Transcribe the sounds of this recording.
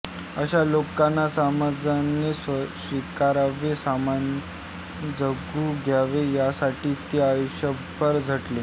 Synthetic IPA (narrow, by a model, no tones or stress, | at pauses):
əɕalokanːasamad͡zanessʋikaɾaʋesaman | d͡zəɡuːɡʱjaʋejasaʈiːt̪eajoɕə | bʱəɾd͡zʱəʈle